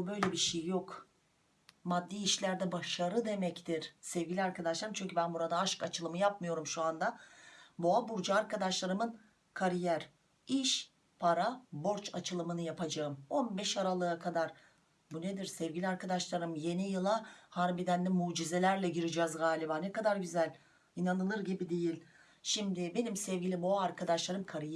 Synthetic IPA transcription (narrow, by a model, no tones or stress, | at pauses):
bubø̞jlʲebiʃejjo̞k | mad̪ːiːiʃlʲæɾd̪ɛbaʃaɾɯd̪e̞mɛct̪ʰiɾ̥sɛvɡɟʲilʲiaɾkʰad̪aʃlˠaɾɯmt͡ʃʰyɲcʰybænbuɾad̪aaʃkat͡ʃʰɯlˠɯmɯjap̚mɯjo̞ɾumʃuand̪abuabuɾd͡ʒaaɾkad̪aʃlˠaɾɯmɯn | kʰaɾijæɾ̥ | iʃ | pʰaɾabo̞ɾt͡ʃat͡ʃʰɯlˠɯmɯnɯjapʰad͡ʒaɯmo̞nbɛʃaɾalˠɯːakʰad̪aɾ | buned̪iɾsɛvɟʲilʲiaɾkʰad̪aʃlˠaɾɯmjenijɯlˠahaɾbid̪ænd̪ʲɛmuːd͡ʒize̞lʲæɾlʲɛɟiɾid͡ʒɛzɡaːlʲibaːnekad̪aɾɟyzælʲ | inanɯlˠɯɾɟibid̪e̞jilʲ | ʃimd̪ɪbe̞nimsɛvɟilʲiboaːɾkʰad̪aʃlˠaɾɯmkʰaɾij